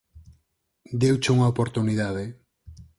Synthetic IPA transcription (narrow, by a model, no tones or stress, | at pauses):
d̪ewt͡ʃuŋaopoɾt̪uniðaðe